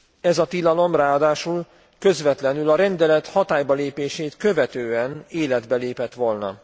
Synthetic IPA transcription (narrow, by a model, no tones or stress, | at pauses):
ɛzɒt̪ilɒlo̞mraːɒd̪aːʃul | kø̞zʋɛt̪lɛnylɒɾɛnd̪ɛlɛt̪hɒt̪aːjbɒleːpeːʃeːt̪kø̞vɛt̪øːɛneːlɛd̪bɛleːpɛt̪ʋo̞lnɒ̰